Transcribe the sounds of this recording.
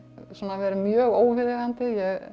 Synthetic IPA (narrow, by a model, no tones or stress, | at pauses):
saːnavɛːɾʏmjœːɣoːwvɪðɪɣant̪ɪjɛɣ